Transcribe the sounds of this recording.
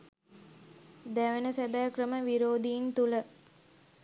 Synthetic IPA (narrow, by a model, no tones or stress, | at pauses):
d̪æʋenəsebæːkrəməʋiɾoːd̪ijint̪ulə